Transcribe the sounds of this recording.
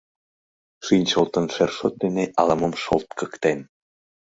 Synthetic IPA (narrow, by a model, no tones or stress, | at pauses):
ʃɯnʲt͡ɕolˠt̪ɤ̆nʃerʃot̪̚d̪eneʔɑlˠɤ̆mɤ̆mʃolˠt̪̚kɤ̆kt̪en